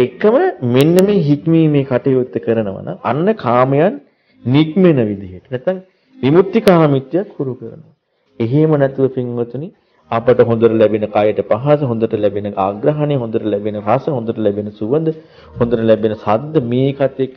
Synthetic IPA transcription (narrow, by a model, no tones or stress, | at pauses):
ekːəməmenːəmeːɦikmiːmeːkaʈejoːt̪ːəkəɾənəʋa̰na̰ŋa̰nːəkʰaːməjanː | ikmenəʋid̪iɦeʈə̥næt̪ːaŋ | ʋimut̪ːikaːmit̪ːijakhuɾukəɾə̰nəʋa | eɦemənɛt̪uʋəpiŋʋɐt̪uni | apəʈəɦõnd̪əɾəlæbenəkajəʈəpaɦas̬əɦõnd̪əʈəlæbenəaɡɾɐɦaneɦõnd̪əʈəlæbenəɾasəɦõnd̪əʈəlæbenəsuʋənd̪ə | hõnd̪əʈəlæbenəsad̪ːəmeːkat̪ːek